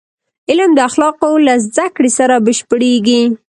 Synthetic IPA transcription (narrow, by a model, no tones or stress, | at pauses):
ɪləmd̪əaxlɑqolazd̪akɽesaɾabəʃpəɽeɡi